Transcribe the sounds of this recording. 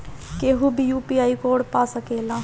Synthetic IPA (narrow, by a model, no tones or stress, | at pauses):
keːɦubʱijuːpiaːikoːɽpaːsəkeːlãː